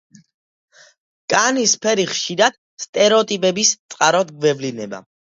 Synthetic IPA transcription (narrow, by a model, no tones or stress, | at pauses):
kʼanispʰɛɾiχʃiɾad̪̥ | st̪ʼɛɾɛɔt̪ʼipʼɛbist̪sʼqʼaɾɔd̪ɡvɛvlinɛba̰